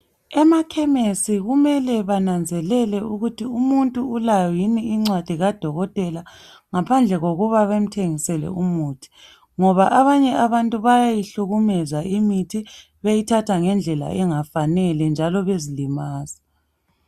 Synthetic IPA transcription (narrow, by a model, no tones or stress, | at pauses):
ɛmakʰɛmesiɣumɛlɛβanand͡zʱɛlɛlɛuɣutʰiumuntʼuːlajɔjiniiŋ͡ǀwad̥ʱiɣad̥ʱɔɣɔtʼɛla | ŋapʰand͡ɮʱɛɣoɣuβaβem̩tʰeŋisɛlɛ̰umuːtʰi̥ | ŋɔβaʔaβaɲɛʔaβantʼuβajajiɬuɣumɛzaimitʰi | βejitʰatʰaŋɛnd͡ɮʱɛla̰ɛŋafanɛlɛnd͡ʒʱalɔβezilimaːzi